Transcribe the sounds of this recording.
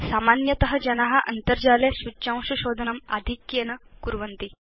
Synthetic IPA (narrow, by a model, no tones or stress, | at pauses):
saːmaːnjɐt̪ɐɦɐd͡ʒɐnɐɦɐ̆ʔɐ̰nt̪ɐɾd͡ʒaːleʃʋut͡ʃãːw̃ʃuʃoːd̪ʱɐnɐmɐ̰d̪ʱikjeːnɐkuɾʋɐnt̪i